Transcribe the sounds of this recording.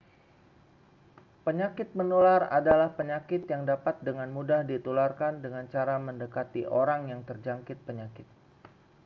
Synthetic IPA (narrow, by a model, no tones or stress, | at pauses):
pəɲakɪt̪̚mənulara̰dalahpəɲakɪt̪jaŋdapat̪̚dəŋanmudahdit̪ularkandəŋant͡ʃaɾaməndəkat̪iʔoɾaŋjaŋt̪ərd͡ʒaŋkɪt̪̚pəɲakɪt̪̚